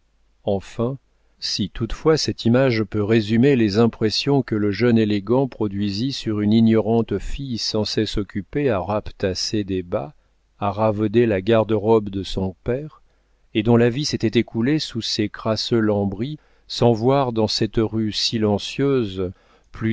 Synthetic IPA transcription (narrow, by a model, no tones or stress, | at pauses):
ɑ̃fɛ̃ | sit̪ut̪fwasɛt̪imaʒpøʁezymelezɛ̃pχesjɔ̃kələʒœneleɡɑ̃pχɔd̪ɥizisyʁyninjɔʁɑ̃t̪fijsɑ̃sɛsɔkʲypeaʁapt̪ased̪eba | aʁavɔd̪elaɡaʁd̪əʁɔbd̪əsɔ̃pɛʁ | ed̪ɔ̃laviset̪ɛt̪ekʰulesusekχasølɑ̃bʁi | sɑ̃vwaʁd̪ɑ̃sɛt̪ʁysilɑ̃sjøz | ply